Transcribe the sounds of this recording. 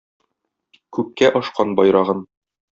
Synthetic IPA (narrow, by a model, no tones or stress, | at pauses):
kʉp̚kæʔɒʃqɑnbɒjɾɑʁɤn